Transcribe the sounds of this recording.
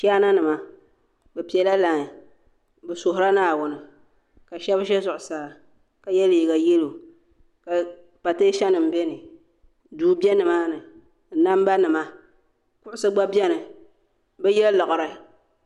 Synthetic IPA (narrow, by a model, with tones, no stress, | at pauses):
ʃa˦na˦nɨ˨ma˨ | bɛ˨pi˨ɛ˨la˦la˨ŋ˨ | bɛ˨sʊ˨ɦʊ˨ɾa˦naː˦˨wʊ˦nɨ˨ | ka˨ʃɛ˦bʃ̬ɛ˦zʊ˨ʔʊ˨saː˨ | ka˨jɛ˦liː˨ɡa˨jɛ˦lo˨ | ka˨ | pa˨te˦ʃɛ˦nɨ˨m̩˨bɛ˦nɨ˨ | duː˨bi˦ɛ˦nɨ˨maː˦nɨ˨ | n̩˦na˦m˦ba˦nɨ˨ma˦ | kʊ˦ʔʊ˦sɨ˦ɡ͡ba˦bjɛ˦nɨ˨ | bɛ˦jɛ˦llɔ˨ʔʊ˨ɾɨ˨